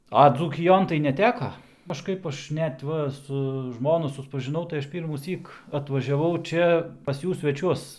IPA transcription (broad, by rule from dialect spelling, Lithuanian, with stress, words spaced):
ɐ d͡zuːkʲɪˈjoːn tɐɪ nʲɛˈtʲæːkɐ kɐʃˈkɐɪp ˈɐʃ ˈnʲɛt ˈʋɐ sʊ ˈʒmoːnʊ sʊspɐʒʲɪˈnɐʊ tɐɪ ˈɐʃ ˌpʲiːrmuːˈsʲiːk ɐtʋɐʒʲɛˈʋɐʊ ˈt͡ʃʲɛ pɐs ˈjuː sʲʋʲɛˈt͡ʃʲuɔs